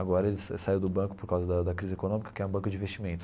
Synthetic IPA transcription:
aɡɔɾɐelɪsɛsaiwd̪ʊbɐ̃kʊ̥poɾkawzɐd̪ɐd̪ɐkɾizɪekonõmikɐ̥kɪɛɾũbɐ̃kʊd͡ʒɪĩvest͡ʃimẽnt̪ʊ̥

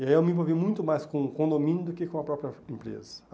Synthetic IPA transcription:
ɪaiewmɪ̃p̬ovimũj̃t̪ʊmajskõkõd̪omĩnjʊd̪ʊkekõɐpɾɔpɾjɐẽmpɾḛzɐ

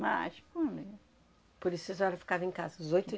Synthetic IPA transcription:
ma̰ʃkũde | poɾisʊezɔɾɐfi̥kavẽkazɐzojt̪ʊ

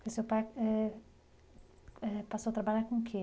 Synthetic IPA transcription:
kesewpajɛ | ɛpasot̪ɾabaʎakõŋkʰe

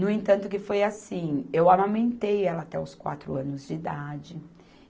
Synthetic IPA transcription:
nʊẽt̪ɐ̃nt̪ʊkɪfojasĩewamãmẽnt̪ejɛlɐːt̪ɛʊskwa̰t̪ɾʊɐ̃nʊzd͡ʒɪːd̪ad͡ʒɪ

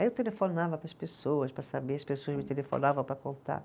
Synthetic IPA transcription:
aiewt̪elefonavɐpɾɐspesoɐspɾɐsabeɐspesoɐsmɪt̪elefo̰navɐ̃w̃pɾɐkõnt̪a̰

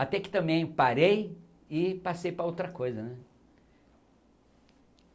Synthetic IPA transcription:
at̪ɛkɪ̥t̪ɐ̃mbẽj̃paɾej | ɪpasejpɾɐowt̪ɾɐkojzɐnɛ

